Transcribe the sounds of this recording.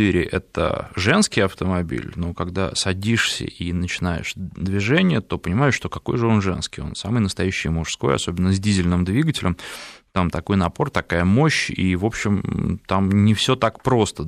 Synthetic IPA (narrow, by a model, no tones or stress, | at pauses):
iɾʲɪʔɛ̰t̪ə̰ʐɛnskʲɪjɐft̪əmɐbʲḭlʲnokaɡd̪a̰sɐdʲiʂsʲə̰inət͡ɕɪnajɪ̰ʂd̪vʲɪʐɛnʲɪjət̪o̞pənʲɪmajɪʂʂt̪o̞kɐko̞̰jʐɨo̞nʐɛnskʲɪjo̞̰nsamɨjnəst̪ɐjæɕːɪ̰jmʊʂsko̞̰jɐ̰so̞bʲɪnːəzʲdʲizʲɪlʲnɨmd̪vʲiɡəɨtʲɪlʲɪmt̪amt̪ɐko̞jnɐpo̞rt̪ɐkajəmo̞ɕḭvo̞pɕːɪmt̪amnʲɪfsʲo̞t̪akpɾo̞st̪ə